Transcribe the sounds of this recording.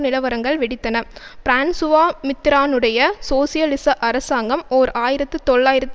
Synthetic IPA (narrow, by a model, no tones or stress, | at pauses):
nɪlɐʋɐɾɐŋɡɐɭʋɪɽɪt̪ːɐnɐpɾaːnsʊʋaːmɪt̪ːɪɾaːnɯɽɐjɐsoːsɪjɐlɪsɐʔɐɾɐsaːŋɡɐmoːɾaːjɪɾɐt̪ːɯt̪ɔɭːaːjɪɾɐt̪ː